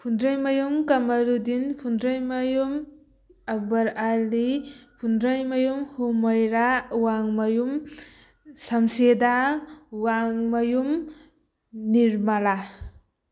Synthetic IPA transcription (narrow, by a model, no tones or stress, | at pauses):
pʰundɾajmajumkamaɾudinpʰundɾajmajum | ak̚baɾalipʰundɾajmajumhumɔjɾawaŋmajum | samsedawaŋmajum | niɾmala